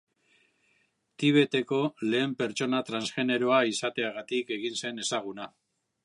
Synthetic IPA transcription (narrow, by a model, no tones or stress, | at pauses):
t̪iβ̞e̞t̪e̞ko̞le̞ːmpe̞ɾt͡ʃo̞nat̪ɾansxe̞ne̞ɾo̞aisat̪e̞aɣat̪ike̞ɣinse̞ne̞saɣ̞una